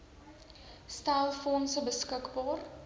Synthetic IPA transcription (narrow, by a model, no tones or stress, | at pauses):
stælˠfɔnsəbəskəkbɑːr